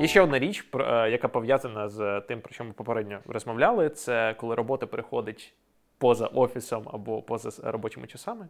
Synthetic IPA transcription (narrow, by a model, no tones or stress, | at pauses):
jɛʃt͡ʃːɛɔd̪naɾʲit͡ʃʲpjɐkapɔʋjazɐnɐzt̪ɪmpɾɔ̥t͡ʃɔmɪpɔpeɾɛdʲnʲɔrɔzmɔʋlʲalˠɪt̪sɛkɔlˠɪɾɔbɔt̪ɐpeɾɪxɔd̪ɪtʲ | pɔzɐ̰ʔɔfʲisɔmɐ̰bɔpɔzɐɾɔbɔt͡ʃʲɪmɪ̰t͡ʃɐsɑmɪ